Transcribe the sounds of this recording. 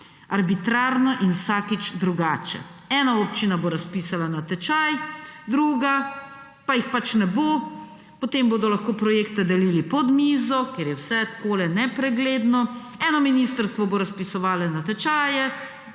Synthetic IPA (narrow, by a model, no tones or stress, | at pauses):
aɾbit̪ɾaːɾnɔʔinwsaːkit͡ʃd̪ɾuɡaːt͡ʃɛ̰ɛnaopt͡ʃinaboːɾaspiːsalanat̪ɛt͡ʃajd̪ɾuːɡa | pajixpat͡ʃnɛbo | pot̪emboːd̪ɔlaxkoːpɾɔjeːkt̪ɛd̪ɛliːlipɔd̪miːzɔkeɾjɛwsɛt̪koːlɛnɛpɾɛɡleːd̪nɔ | ɛnɔminist̪əɾst̪ʋɔboːɾaspisɔʋaːlɛnat̪ɛt͡ʃaːjɛ